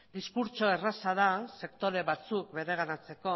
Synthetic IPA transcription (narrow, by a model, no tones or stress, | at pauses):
d̪iskuɾt͡ʃo̞e̞rasaðase̞kt̪o̞ɾe̞βat͡sukbe̞ɾe̞ɣ̞anat͡se̞ko̞